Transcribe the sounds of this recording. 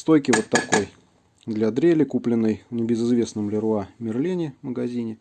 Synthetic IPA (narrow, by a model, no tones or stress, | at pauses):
st̪o̞jkʲɪvo̞t̪ːɐko̞j | d̪lʲad̪ɾʲelʲɪkuplʲɪnːəjnʲɪbʲɪzɨzvʲe̞snəmlʲɪɾʊamʲɪrlʲinʲɪməɡɐzʲinʲɪ